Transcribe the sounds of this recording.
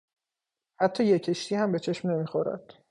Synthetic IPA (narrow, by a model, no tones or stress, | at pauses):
hæt̪ʰːɒːjecʰe̞ʃt̪ʰiːhæmbe̞t͡ʃʰeʃmne̞miːxoɾæ̰d̪̥